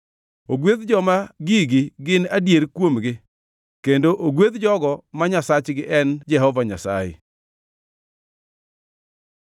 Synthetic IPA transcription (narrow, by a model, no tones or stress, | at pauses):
oɡweðd͡ʒɔmaɡiɡɪɡɪnadjeɾkwomɡɪ | kendoʔoɡweðd͡ʒɔɡɔmaɲasat͡ʃɡɪʔɛnd͡ʒɛɦɔvaɲasa̰jɪ̰